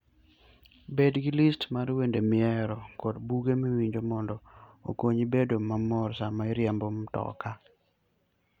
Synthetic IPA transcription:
bedɡɪlistmaɾwendemɪɛɾɔkɔdbuɡemiwiɲd͡ʒomɔndɔo̰koɲibedomamɔɾsamaiɾjambomtɔ̰ka

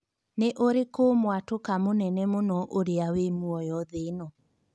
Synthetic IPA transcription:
neʔoɾekomwatokamonɛnɛmonɔʔoɾeawemuɔjɔðenɔ

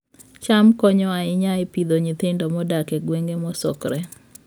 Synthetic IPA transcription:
t͡ʃamkɔɲɔaɪɲaɪpid̪oɲit̪ɪndɔmɔdakɛɡweŋɡemɔsɔkɾɛ

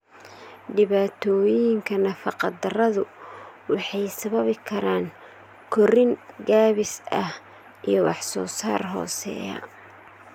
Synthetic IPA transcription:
ɖɪβaːt̪ʰɔːjjjɪŋkʰɐnɐfɑqɑd̪ɐrɐðʊwɑħɑjsɐβɐβɪkʰɐɾaːŋ | kʰɔrɪŋɡaːβɪsɐh | ʔijɔwɑ̰ħsɔːsaːrɦɔ̰ːsɛ̰ːjɐ̰

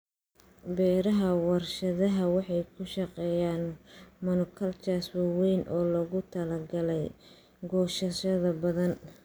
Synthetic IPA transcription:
bɛːɾɐɦɐwɑrʃɐðɐɦɐwɑħɑjkʰʊʃɐqɛːjaːnmɐnʊkʰɐlt͡ʃaswɑwɛjnʔɔːlɔɣʊt̪ʰɐlɐɡɐlɛj | ɡɔːʃɐʃɐðɐbɐðɐn

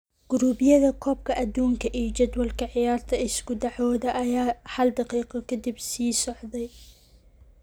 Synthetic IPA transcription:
ɡ̥ʊɾuːbɪjɐðɐkʰɔːb̚kʰɐʔɐd̪uːŋkʰɐʔiːd͡ʒɐd̪wɐlkʰɐʕɪjɑːɾt̪ʰɐɪskʊd̪ɐʕɔːd̪ɐʔɐjaːhɐld̪ɑqiːqɑkʰɐd̪ɪbsiːsɔʕd̪ɛj

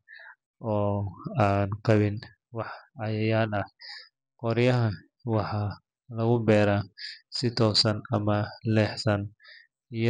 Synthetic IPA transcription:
ʔɔːaːnqɑβɪn | wɑħɐjɐjaːlɐh | qɔɾjɐɦɐ | wɑħɑ | lɐɣʊbɛːɾaːsɪt̪ʰɔːsɐnɐmɐlɛːħsɐn | ij

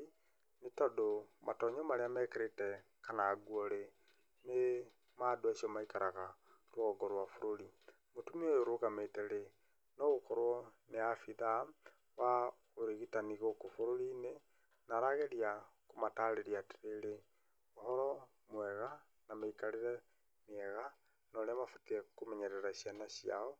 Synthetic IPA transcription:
netɔdomʔa̰tɔɲomaɾeamɛːkeɾetɛkanaɡuɔɾe | ne | madwaʃiɔmaikaɾaɣa | ɾoɣɔɡɔɾwafoɾoɾi | motumiojoɾoɣametɛɾe | nɔɣokɔɾwɔneafiða | wa | oɾeɣitaniɣokofoɾoɾine | naɾaɣeɾiakomataɾeɾiateɾeɾe | ohɔɾɔ | mwɛɣa | nameikaleɾɛ | miɛɣa | nɔɾeamafutiekomɛɲɛɾɛɾaʃjanaʃia̰ɔ

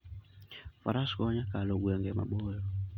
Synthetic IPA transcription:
fa̰ɾaskɔɲakalɔɡwɛŋɡɛma̰ɓɔlɔ

